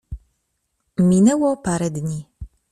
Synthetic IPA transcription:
mʲinɛwɔpaɾɛd̪ɲi

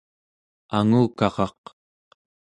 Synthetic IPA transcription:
aŋuːkɑʁɑq

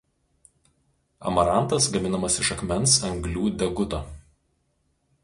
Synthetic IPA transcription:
ɐ̰mɐɾɑˑnt̪ɐsɡɐmʲɪnɐmɐsɪʃɐkmʲɛnsɐŋɡlʲuːd̪ʲɛɡʊt̪oː

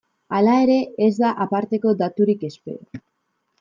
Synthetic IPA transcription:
alae̞ɾe̞ezd̪aʔapaɾt̪e̞ko̞d̪at̪uɾike̞spe̞̰

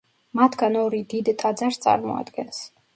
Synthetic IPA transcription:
mat̪ʰɡanɔɾid̪id̪t̪ʰʼad̪zaɾst̪sʼa̰ɾmɔ̰a̰d̪ɡɛns

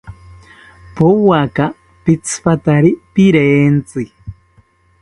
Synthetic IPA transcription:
pʊwaka | pit͡sʰɨ̥pat̪aɾipiɾeːnt͡sɨ

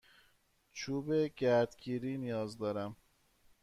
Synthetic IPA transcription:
t͡ʃʰuːbeɟæɾd̪ɡiːɾiːnijɒːzd̪ɒːɾæm

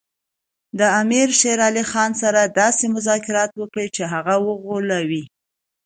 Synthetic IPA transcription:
d̪əamiɾʃeɾɑlixɑnsaɾad̪ɑsemʊzɑkɪɾɑt̪wəkɽet͡ʃeɦaɣawəɣolawi

